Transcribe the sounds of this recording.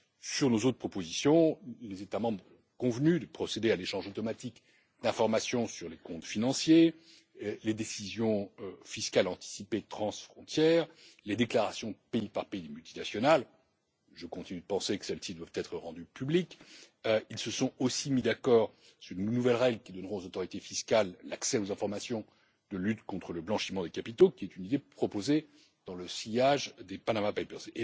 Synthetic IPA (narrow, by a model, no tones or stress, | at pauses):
syʁnozot̪χəpʰχɔpozisjɔ̃lezet̪amɑ̃bʁ | kɔ̃vnyd̪əpχɔsed̪ealeʃɑ̃ʒot̪ɔmat̪ik | d̪ɛ̃fɔʁmasjɔ̃syʁlekɔ̃t̪finɑ̃sje | led̪esizjɔ̃øfiskalɑ̃t̪i̥sipet̪χɑ̃sfχɔ̃t̪jɛːʁ | led̪eklaʁasjɔ̃əpeipaʁpeid̪emylt̪inasjɔnal | ʒəkɔ̃t̪inyd̪əpɑ̃sekə̥sɛlsid̪wavt̪ɛt̪χəʁɑ̃d̪ypyblik | ilsəsɔ̃osimid̪akɔːʁ | syʁnnuvɛlʁɛɡləkʲid̪ɔnʁɔ̃ozot̪ɔʁit̪efiskallaksɛozɛ̃fɔʁmasjɔ̃ | d̪əlyt̪kɔ̃t̪χələblɑ̃ʃimɑ̃d̪ekapit̪okʲiɛt̪ynid̪epχɔpoze | d̪̥ɑ̃ləsijaʒd̪epanamapajpœʁze